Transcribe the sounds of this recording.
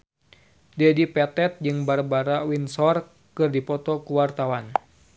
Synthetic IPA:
dɛdipɛt̪ɛt̪̚d͡ʒɨŋbarbaɾawinsɔr | kɨrdipɔt̪ɔkuwart̪awan

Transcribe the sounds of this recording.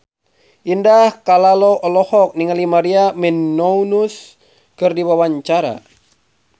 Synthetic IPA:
ʔindahkalaloʔɔlɔhɔk̚niŋalimaɾiamɛnːɔunus | kɨrdiwawaɲt͡ʃaɾa̰

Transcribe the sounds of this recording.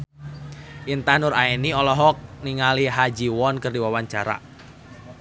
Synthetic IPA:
ʔint̪anʊɾaeniɔlɔɦɔk̚niŋaliɦad͡ʒiwɔnkərdiwawaɲt͡ʃaɾa̰

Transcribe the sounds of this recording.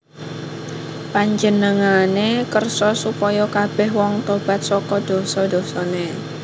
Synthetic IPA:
paɲd͡ʒənəŋanekərsɔsupɔjɔkab̥ɛhwɔŋt̪ob̥a̤t̪̚sɔkɔd̪̥o̤sɔd̪̥ɔ̤sɔne

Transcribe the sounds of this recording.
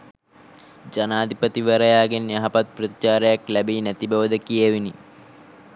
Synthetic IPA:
d͡ʒɐnaːd̪ʱipət̪iʋɐɾɐjaːɡenjɐɦɐpɐt̪̚prət̪it͡ʃaːɾɐjaklæbeːnæt̪ibɐʋəd̪əkijəʋini

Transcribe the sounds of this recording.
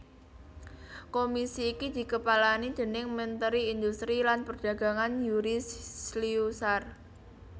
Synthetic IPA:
komisiːkid̪̥i̤kəpalanid̪̥ə̤nɪŋmənt̪əɾiind̪ust̪ɾilanpərd̥ä̤ɡ̥a̤ŋanjuɾissliusar

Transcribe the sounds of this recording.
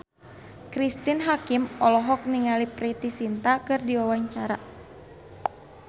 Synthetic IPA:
kɾist̪inɦakimɔlɔɦɔk̚niŋalipɾit̪isint̪akɨrdiwawaɲt͡ʃaɾa

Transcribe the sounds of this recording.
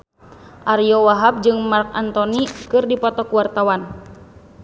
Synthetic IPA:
ʔaɾjɔwaɦap̚d͡ʒɨŋmark̚a̰nt̪ɔnikɨrdipɔt̪ɔkuwart̪awan

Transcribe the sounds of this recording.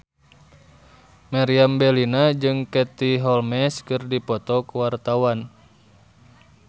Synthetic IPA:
maɾiambɛlinad͡ʒɨŋkɛt̪iɦɔlmɛskɨrdipɔt̪ɔkuwart̪awan

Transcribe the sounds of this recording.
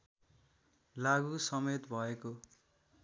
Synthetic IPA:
laɡusʌmet̪bʱʌeko

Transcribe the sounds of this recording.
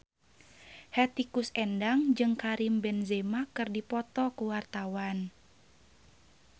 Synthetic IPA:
hɛt̪ikusɛndaŋd͡ʒɨŋkaɾimbɛnzɛmakɨrdipɔt̪ɔkuwart̪awan

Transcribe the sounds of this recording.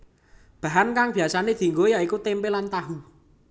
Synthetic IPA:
b̥a̤ɦankaŋb̥i̤asaned̪̥i̤ŋɡojaikut̪empelant̪aɦu

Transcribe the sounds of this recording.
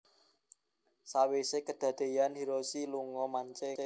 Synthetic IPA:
sawesekəd̪̥ä̤d̪̥e̤janhiɾosiluŋɔmaɲt͡ʃe

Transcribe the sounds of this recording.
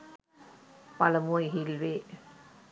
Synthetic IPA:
pɐlɐmoːjɦɪlʋeː

